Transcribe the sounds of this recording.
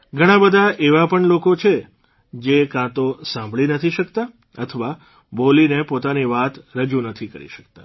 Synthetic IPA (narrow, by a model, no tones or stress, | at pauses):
ɡʱəɽ̃ãbəd̪ʱaʔeʋapəɳlokot͡ʃʰe | d͡ʒekãt̪osãmbʱɭinət̪ʰiʃəkt̪a | ət̪ʰəʋa | bolinepot̪aniʋat̪ɾəd͡ʒũnət̪ʰikə̰ɾḭʃə̥k̚t̪a